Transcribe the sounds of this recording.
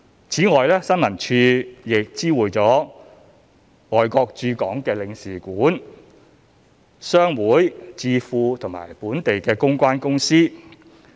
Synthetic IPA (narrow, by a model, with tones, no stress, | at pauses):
t͡sʰiː˨˥ŋɔː˨jlɛː˥sɐ˥nmɐ˨˩nt͡ʃʰyː˧jɪ˨k̚t͡siː˥wuː˨jt͡sɔː˨˥ | ŋɔː˨jkɔː˧k̚t͡ʃyː˧kɔː˨˥ŋkɛː˧lɪ˨˧ŋsiː˨˩kuː˨˥n | sœː˥ŋwuː˨˥jt͡siː˧fuː˧t̪ʰʊ˨˩ŋma̰ː˨˩jpuː˨˥nt̪e˨jkɛː˧kʊ˥ŋkʷaː˥nkʊ˥ŋsiː˥